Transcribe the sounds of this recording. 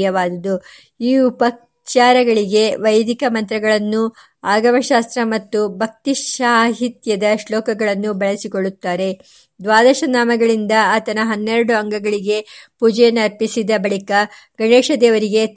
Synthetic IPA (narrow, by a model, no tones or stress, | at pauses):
jɐʋaːd̪ɐd̪u | iːupɐ | t͡ʃaːɾɐɡɐɭiɡe̞ʋɐjd̪ʱikɐmɐnt̪ɾɐɡɐɭɐnːu | aːɡɐmɐʃaːst̪ɾɐmɐt̪ːubʱɐk̚t̪iaːɦit̪jɐd̪ɐʃlɔːkɐɡɐɭɐnːubɐɭɐsikoɭːut̪ːaːɾe̞ | d̪ʋaːd̪ɐʃɐnaːmɐɡɐɭind̪ɐaːt̪ɐnɐɦɐnːeɾɐɽuɐŋɡɐɡɐɭiɡe̞puːd͡ʒɐjɐnːɐɐɾpisid̪ɐbɐɭikɐ | ɡ̥ɐɳeːʃɐd̪eːʋɐɾiɡe̞t̪